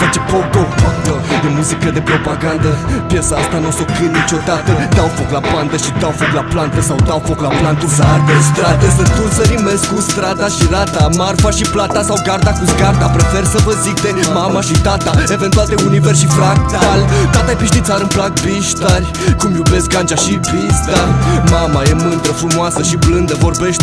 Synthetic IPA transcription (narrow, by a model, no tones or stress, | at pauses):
fat͡ʃepod̪opat̪əd̪emuzikəd̪e̞pɾo̞paɡand̪əpjesaast̪anosokɨt̪nit͡ʃo̞d̪at̪əd̪awfoklapant̪əʃid̪awfoklaplant̪əsawd̪awfoklaplant̪usaaɾd̪est̪ɾad̪esət̪unsəɾimeskust̪ɾad̪aʃiɾat̪amarfaʃiplat̪asawɡart̪akusɡart̪apɾefersəvəzik̚t̪emamaʃit̪at̪ae̞vent̪uald̪euniverʃifɾakt̪alt̪at̪ajepiʃd̪it̪saɾɨnplak̚biʃt̪arʲ | kumlube̞sɡant͡ʃaʃibist̪arʲmamajemɨnd̪ɾəfɾumoasəʃiblɨnd̪əvo̞rbe̞ʃt̪̚ʲ